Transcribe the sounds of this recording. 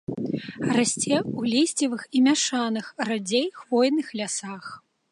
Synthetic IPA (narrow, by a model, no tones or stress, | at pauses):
rasʲt͡sʲɛwlʲesʲt͡sʲivɨximʲaʂanɨxrad͡zʲejxvɔjnɨxlʲasax